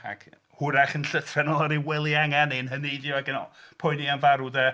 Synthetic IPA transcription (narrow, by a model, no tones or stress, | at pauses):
a̰ɡ̥ | hʊɾaχənɬəθʰrɛnɔaɾiwɛlˠiaŋanɪnɦənidiwaɡənɔ̰pʰʊɨnianvaɾudə